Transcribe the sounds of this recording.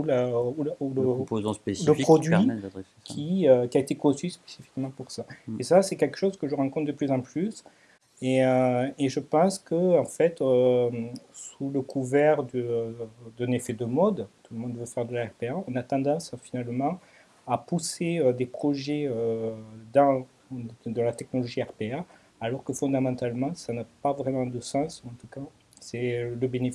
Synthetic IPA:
ulauuləpozɔ̃spesiləpiχɔd̪ɥiɛɛe | kʰʲiøkʲiaet̪ekɔ̃syspe̥sifi̥kmɑ̃puʁsaesasɛkʲɛlkə̥ʃozkəʒəʁɑ̃kɔ̃t̪̚d̪əplyzɑ̃plys | eøeʒəpɑ̃skəɑ̃fɛt̪ø | suləkʰuvɛʁd̪əd̪ɛ̃nefɛd̪əmɔd̪t̪uləmɔ̃nd̪vøfɛʁd̪əlaɛʁpeɛɔ̃nat̪ɑ̃d̪ɑ̃sfinalmɑ̃ | apuseød̪epχɔʒɛød̪ɑ̃ | d̪ɑ̃lat̪ɛk̚nɔlɔʒiɛʁpeɛ | alɔʁkəfɔ̃d̪amɑ̃t̪almɑ̃sanapavʁemɑ̃d̪əsɑ̃sɑ̃t̪uka | sɛləbene

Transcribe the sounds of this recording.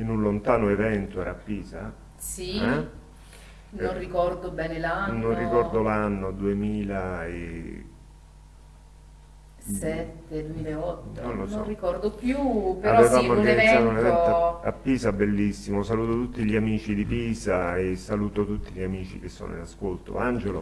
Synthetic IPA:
inunlont̪aːnoevɛnt̪oɛɾapːiːza | siɛ | nonrikɔrd̪obɛːnelanːonrikɔrd̪olanːod̪uemiːlaḛ | sɛt̪ːed̪umiːlaeɔt̪ːnnonlonsɔrikɔrd̪opjupeɾaɔvevaːmoaɡanizːaːt̪ounevɛnt̪a̰pːiːsabːelːisːimosaluːt̪ot̪ut̪ːiʎiamiːt͡ʃid̪ipiːsaesːaluːt̪ot̪ut̪ːiʎiamiːt͡ʃḭk̟esːo̰ːno̰ḭnaskolt̪o̰and͡ʒelo

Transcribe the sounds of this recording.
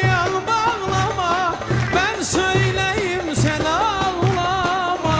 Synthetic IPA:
ɑlˠmɑɣlˠɑmɑmænsøjlæjimsænɑlˠlˠɑmɑ

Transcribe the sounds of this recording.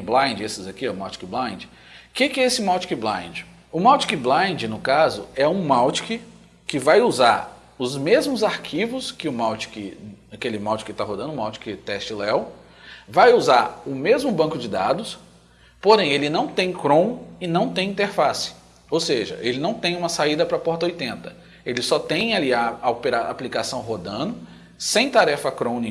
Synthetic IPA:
blãj̃d͡ʒɪesɪzakiɛmawt͡ʃi̥kɪblãj̃d͡ʒɪ | kɪkɪɛesɪmawt͡ʃɪ̥kɪblã̰j̃d͡ʒɪ | ʊmawt͡ʃi̥kɪblãj̃d͡ʒɪnʊkazʊɛũmawt͡ʃɪ̥kɪ | kɪvajuzaɾ | ʊzmezmʊzaɾkʰivʊskɪʊmawt͡ʃi̥kɪakelɪmawt͡ʃɪkɪt̪aɦod̪ɐ̃nʊmawt͡ʃɪ̥kɪt̪ɛst͡ʃɪlɛw | vajuzaɾʊmezmʊbɐ̃kʊd͡ʒɪd̪a̰d̪ʊs | poɾẽj̃elɪnɐ̃w̃t̪ẽj̃kɾõw̃ɪnɐ̃w̃t̪ẽj̃ĩnt̪eɾfasɪ̥ | owseʒɐ̰ʔelɪnɐ̃w̃t̪ẽj̃ũmɐsaid̪ɐpɾɐpɔɾt̪ɐojt̪ẽnt̪ɐ | elɪsɔt̪ẽj̃aliɐopeɾaa̰plikasɐ̃w̃ɦod̪ɐ̃d̪ʊ | sẽj̃t̪aɾɛfɐkɾõni

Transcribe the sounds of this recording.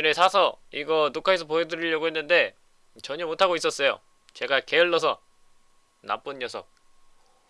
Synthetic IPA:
nesʰasʰʌiɡʌnokʰaes̬ʰʌpoɦedɯɾiʎːʌɡoɦe̞nːɯnde̞ | t͡ɕʌɲʌmotʰaɡois͈ʌs͈ʌjo̰ | t͡ɕe̞ɡake̞ʌɭːʌs̬ʰʌ | na̰p͈uɲjʌsʰʌk̚

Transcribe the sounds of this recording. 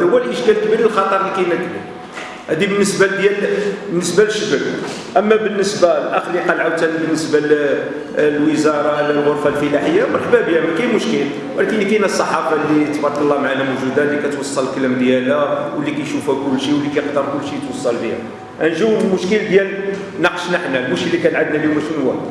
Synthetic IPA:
hwːælʔəʃkælkbiɾəlxɑt̪ˤəɾˤlikæjnəkː | hæd̪ibənːəsbad̪jælbənːəsbæləʃːəbək | ʔəmːæbənːəsbalʔəxliqɑlʕawt̪ænibənːəsbæl | lwəzɑɾˤɑlːælɣʊɾfalfəlaħəjːawəlħbæbjæmækæjmʊʃkəl | wlækənːikinæsˤːɑħɑfɑlːit̪bɑɾˤɑkəlˤːɑmaʕanæmuʒud̪ælːikæt̪wɑsˤːɑləlkəlæmd̪jælæwəlːikæjʃufækʊlːʃiwəlːikæjqd̪əɾˤkʊlːʃijət̪wɑsˤːɑlbihæ̰ | ʔænʒæwəd̪lmʊʃkəld̪jæl | nɑqə̥ʃnəħnælmʊʃkəlːikæʕad̪næliumæʃnwæ

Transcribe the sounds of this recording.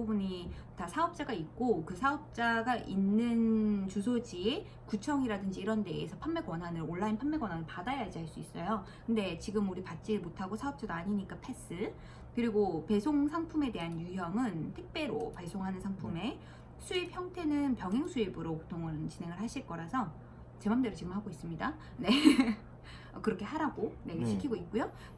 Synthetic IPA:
ubuɲi | tasʰaʌp̚t͡ɕ͈aɡait̚k͈okɯsʰaʌp̚t͡ɕ͈aɡaʔinːɯnt͡ɕusʰod͡ʑie | kut͡ɕʰʌŋiɾadɯnd͡ʑiːɾʌnde̞esʰʌpʰanme̞ɡwʌnɦanɯɾoɭːainpʰamːeɡwʌnɦanɯɭpadajad͡ʑiɦaɭs͈uis͈ʌjo | kɯnde̞t͡ɕiɡɯmuɾipat̚t͡ɕ͈iɭmotʰaɡosʰaʌp̚t͡ɕ͈adoaɲiɲik͈apʰe̞s͈ʰɯ | kɯɾiɡope̞sʰoŋsʰaŋpʰume̞de̞ɦanjuɦjʌŋɯntʰɯk̚p͈e̞ɾopaɭs͈oŋɦanɯnsʰaŋpʰume̞ | sʰuip̚çjʌŋtʰe̞nɯnpjʌŋɦe̞ŋsʰuibɯɾopotʰoŋɯnt͡ɕine̞ŋɯɭɦaɕʰiɭk͈ʌɾasʰʌ | t͡ɕemamde̞ɾot͡ɕiɡɯmɦaɡois͈ɯmɲida | ne̞ | ʌ̰kɯɾʌkʰe̞haɾaɡoneɡɕʰikʰiɡoit̚k͈ujo

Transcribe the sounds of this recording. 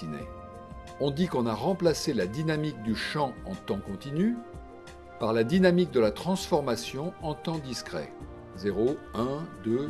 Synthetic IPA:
inḛ | ɔ̃d̪ikɔ̃naʁɑ̃plaselad̪inamik̚d̪yʃɑ̃ɑ̃t̪ɑ̃kɔ̃t̪iny | paʁlad̪inamik̚d̪əlat̪χɑ̃sfɔʁmasjɔ̃ɑ̃t̪ɑ̃d̪iskχɛ̰ | zeʁoɛ̃d̪ø

